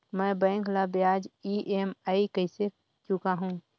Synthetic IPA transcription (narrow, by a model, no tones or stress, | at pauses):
mə̃bə̃ɪ̃ŋkʰlabjad͡ʒiʔemaikəɪse | t͡ʃʊkaɦũ